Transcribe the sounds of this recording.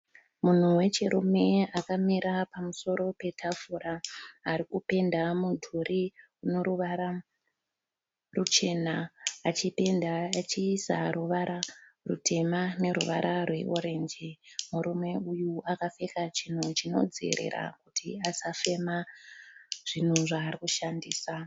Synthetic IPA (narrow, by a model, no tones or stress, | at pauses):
mun̤uwe̞t͡ʃiɾume̞akamiɾapamuso̞ɾo̞pe̞tʰafuɾaːɾikupe̞ndamudʱurʔi | uno̞ɾuʋaɾa | rut͡ʃe̞naːt͡ʃipenat͡ʃiːsaruʋaɾarṵtʰe̞mane̞ɾṵʋa̰ɾʔarwe̞̰ʔo̞ɾe̞nd͡ʒimuɾumwe̞ujuakafe̞kat͡ʃin̤ut͡ʃino̞̰d͡zḛɾḛɾa̰kutʰḭasafe̞ma | ʐ̥in̤uʐaːrikuʃandiːsa